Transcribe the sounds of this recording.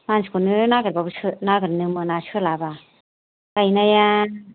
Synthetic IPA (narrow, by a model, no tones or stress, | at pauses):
manskunɯnaɡɯɾbabɯsɯnaɡɯɾnɯmɯnasɯlaba | kajnaja